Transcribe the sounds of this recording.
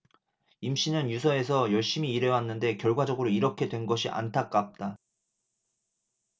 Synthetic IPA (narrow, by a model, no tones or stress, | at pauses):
imɕ͈inɯnjusʰʌe̞sʰʌjʌɭɕ͈imiːɾe̞wanːɯnde̞kjʌɭɡwad͡ʑʌɡɯɾoiɾʌkʰe̞dwe̞nɡʌɕʰiʔa̰ntʰak͈ap̚t͈a